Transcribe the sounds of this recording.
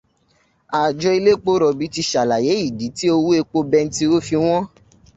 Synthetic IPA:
a˨d͡ʒɔ˧i˧le˦k͡po˦ɾɔ˨bi˨˦ti˧ʃa˨la˨je˨˦i˦˨di˨˦ti˦o˧wu˦e˧k͡po˧bɛ˧n̩˦ti˧˦o˦fi˧w̃ɔ̃˦

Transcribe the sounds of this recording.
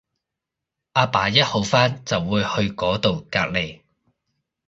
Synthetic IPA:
ʔaː˧paː˨˥jɐ˥t̚ho˨˥wfaː˥nt͡sɐ˨wːuː˨˧jhɵ˧ɥkɔː˨˥t̪o˨wka̰ː˧k̚le˨j

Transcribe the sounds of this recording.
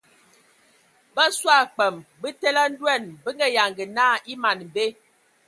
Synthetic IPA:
bə˦swa˦˨k͡pɛ˨mbə˦tɛ˦la˦n̩˦dwɛ˦˨nbə˦ŋɡɛ˦˨ja˨ŋɡə˨naː˦i˦ma˨n˨m˨be˦

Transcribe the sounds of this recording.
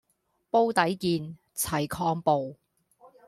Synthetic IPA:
po˥wt̪ɐ˨˥jkiː˨˧n | t͡sʰɐ˨˩jkʰɔː˧ŋpo˨w

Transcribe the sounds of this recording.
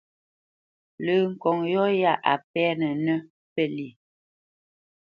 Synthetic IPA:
ləː˨ŋ̩˨kɔ˨ŋjɔ˦ja˦˨ʔa̰˨p̚ɛ˦nə˨nə˦ | pɛ˦li˨

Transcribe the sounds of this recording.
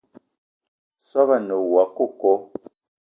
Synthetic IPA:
sɔ˦ba˦˨nə˨wa˨ko˦˨kɔ˦

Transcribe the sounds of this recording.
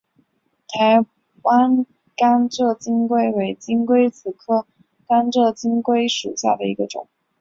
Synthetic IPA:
t̪ʰa˧˥ɪ | wa˥n | ka˥nʈ͡ʂɤ˥˩t͡ɕi˥ŋkwe˥ɪwe˧˥ɪt͡ɕi˥ŋkwe˥ɪt͡sʰɹ̩˨˩kʰɤ˥˩ | ka˥nʈ͡ʂɤ˥˩t͡ɕi˥ŋkwe˥ɪʂṵ˨˩ɕja̰˥˩d̪ə˩i˧˥ɡə˧ʈ͡ʂʊ̰˨˩˦ŋ

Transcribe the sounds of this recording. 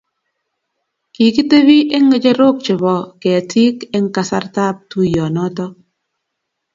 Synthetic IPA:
ki˨ki˦te˦βi˦ʔe˦ŋe˨d͡ʒe˦ɾo˦˨k̚t͡ʃe˨βɔ˨ke˨a˨tʰi˦ke˦ŋ̩˦ka˨sa̰˦ɾta˦p̚tu˦˨jɔ˨nɔ˦tɔ˦

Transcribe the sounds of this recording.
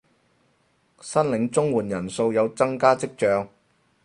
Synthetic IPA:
sɐ˥nlɪ˨˥ŋt͡sʊ˥ŋwuː˨˩njɐ˨˩nso˧wjɐ˨˧wt͡sɐ˥ŋkaː˥t͡sɪ˥k̚t͡ʃœː˧ŋ

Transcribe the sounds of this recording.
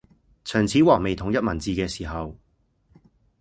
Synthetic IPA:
t͡ʃʰœː˨˩ŋt͡sʰiː˨˥wɔː˨˩ŋ̚me˨jt̪ʰʊ˨˥ŋjɐ˥t̚mɐ˨˩nt͡siː˨˧kɛː˧siː˨˩ɦɐ˨w

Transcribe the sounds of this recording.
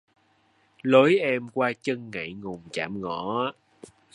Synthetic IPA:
lo˨˦jʔɛ˧mkwaː˧t͡ɕə˧ŋːə̰˧˨jŋʊ˨˩ŋ͡mt͡ɕa̰ː˧˩mŋɔ˧˩˦a˧˦

